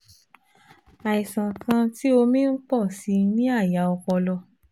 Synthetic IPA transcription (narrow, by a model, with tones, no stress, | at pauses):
a˨i˨sã˨kʰã˧ti˦o˧mĩ˦n̩˦k͡pɔ˦˨si˧nĩ˦a˦˨ja˨˦ɔ˧k͡pɔ˧lɔ˧